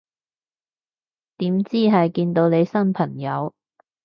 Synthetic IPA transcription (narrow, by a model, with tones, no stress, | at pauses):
t̪iː˨˥mt͡siː˥ɦɐ˨jkiː˧nt̪o˧wne˨˧jsɐ˥npʰɐ˨˩ŋjɐ˨˧w